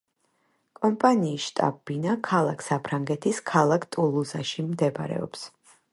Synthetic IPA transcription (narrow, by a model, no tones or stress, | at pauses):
kʼɔmpʼaniːsʃt̪ʼa̰binakʰalˠakʰsapʰɾaŋɡɛt̪ʰiskʰalˠakʰt̪ʼulˠuzaʃimd̪ɛbɾɛ̰ɔ̰ps